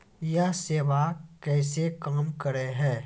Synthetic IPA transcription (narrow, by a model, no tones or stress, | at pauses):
jaseːʋakɛːsekaːmkɐɾeɦɛ̃ː